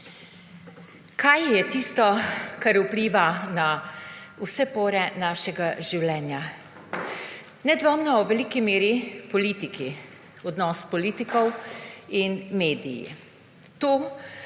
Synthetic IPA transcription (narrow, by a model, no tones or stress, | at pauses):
kʰajjɛt̪iːst̪ɔkaɾupliːʋana | usɛpoːɾɛnaːʃɛɡaʒiwlɛːnja | nɛd̪ʋɔmnɔwʋɛlikimeːɾipɔliːt̪iki | ɔd̪nɔspɔliːt̪ikɔwinmeːd̪ijḭ | t̪oː